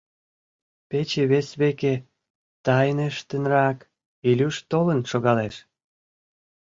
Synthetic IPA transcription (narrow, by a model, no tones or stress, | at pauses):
pet͡ɕeβesβeke | t̪ɑjneʃt̪ənrɑk | ilʲyʃt̪olənʃoɣɑleʃ